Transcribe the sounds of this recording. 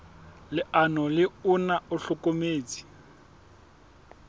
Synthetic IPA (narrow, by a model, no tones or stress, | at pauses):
lɪʔanɔlɪunauɬʊkomeːt͡si̥